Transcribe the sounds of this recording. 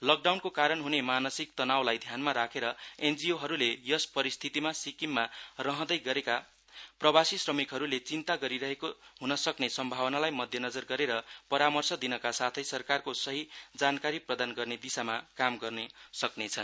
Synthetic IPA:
lʌk̚ɖawnkokaɾʌnɦunemanʌsik̚t̪ʌnawlajd̪ʱjanmaɾakʰeɾʌend͡zioɦʌɾulejʌspʌɾist̪ʰit̪imasikimːarʌɦʌ̃d̪ʌjɡʌɾeka | prʌbasisrʌmikɦʌɾulet͡sint̪aɡʌɾiɾʌɦekoɦunʌsʌknesʌmbʱawʌnalajmʌd̪ʱjʌnʌd͡zʌrɡʌɾeɾʌpʌɾamʌrsʌd̪inʌkasat̪ʰʌjsʌrkarkosʌɦid͡zankaɾiprʌd̪anɡʌrned̪isamakamɡʌrnesʌknet͡sʰʌn

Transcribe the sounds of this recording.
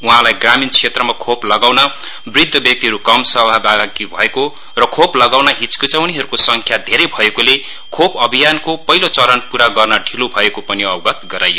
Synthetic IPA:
uɦãlajɡramint͡sʰet̪rʌmakʰoplʌɡawnʌ | brid̪ʱːʌbjʌk̚t̪iɦʌɾukʌmsʌbʱabaɡibʱʌeko | rʌkʰoplʌɡawnaɦit͡skit͡sʌuniɦʌɾukosʌŋkʰjad̪ʱeɾʌjbʱʌekole | kʰopʌbʱijankopʌɦilot͡sʌɾʌnpuɾaɡʌrnʌɖʱilobʱʌekopʌniʌbɡʌt̪ɡʌɾajo

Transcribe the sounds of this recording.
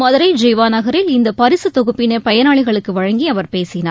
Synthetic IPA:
mɐðɐɾɐɪd͡ʒɛjʋaːnɐɣɐɾɪlɪnd̪ɐpɐɾɪsɯt̪ɔɣɯpːɪneːpɐjɐnaːɭɪɣɐɭɯkːɯʋɐɻɐŋɡiɐʋɐɾpeːsɪnaː

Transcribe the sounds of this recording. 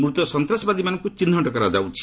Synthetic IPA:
mɾut̪ɔsɔnt̪ɾasɔbad̪imanɔŋkut͡ʃinːɔʈɔkɔɾad͡ʒa̰wt͡ʃʰi̥

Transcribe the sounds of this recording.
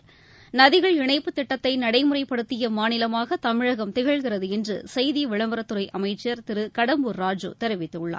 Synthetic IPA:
nɐðɪɣɐɭɪɳɐɪpːɯt̪ːɪʈːɐt̪ːɐɪnɐɽɐɪmɯrɐɪpːɐɽɯt̪ːɪjɐmaːnɪlɐmaːɣɐt̪ɐmɪɻɐɣɐmt̪ɪɣɐɭɣɪrɐðɯɛndrɯ̰sɐjðijɐʋɪɭɐmbɐɾɐt̪ːɯɾɐɪʔɐmɐɪt͡ʃːɐɾt̪ɪɾɯkɐɽɐmbɯɾːaːd͡ʒṵt̪ɛɾɯʋɪt̪ːɯɭːa̰ːɾ

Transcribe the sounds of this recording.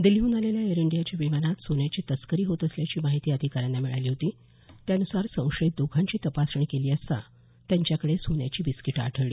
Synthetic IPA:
d̪iljuːnaleljaeɾiɳɖijat͡ɕjaʋimanat̪sonjat͡ɕiːt̪əskəɾiːɦot̪əsljat͡ɕiːmaɦit̪iːəd̪ʱikaɾanːamiɭa̰jliːɦot̪iː | t̪jaənusaɾsə̃w̃ʂəit̪̚d̪ukʰãɲt͡ɕiːt̪əpasɾəɳkeliːəst̪a̰ | t̪jãɲt͡ɕjakəɽesonja̰t͡ɕiːbiskiʈa̰ʈʰəʋɭiː

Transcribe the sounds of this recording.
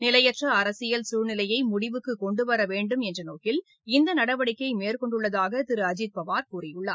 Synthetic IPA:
nɪlɐjɐʈrɐɐɾɐsɪjɐlsuːɾnɪlɐjɐɪmʊɽɪʋɯkːɯkɔɳɖɯʋɐɾɐʋeːɳɖɯmɛndrɐnoːkɪl | ɪnd̪ɐnɐɽɐʋɐɽɪkːɐɪmeːɾkɔɳɖɯɭːɐðaːɣɐt̪ɪɾɯɐd͡ʒɪd̪̚pɐʋaːɾkuːrɪjɯɭːa̰ː

